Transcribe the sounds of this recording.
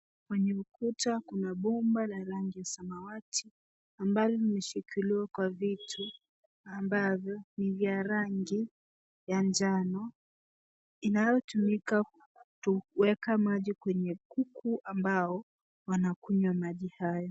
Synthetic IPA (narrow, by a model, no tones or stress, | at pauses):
kwɛɲɛukutakunaɓɔmbalaɾaŋɡijasamawatʰi | ambavɔlimɛʃikʰiliwakwavitʰu | ambavjɔnivjaɾaŋɡi | jand͡ʒanɔ | inajɔtumika | tuwɛkamaʄikwɛɲɛkukʰuʔambaɔ | wanakuɲwamaʄihajɔ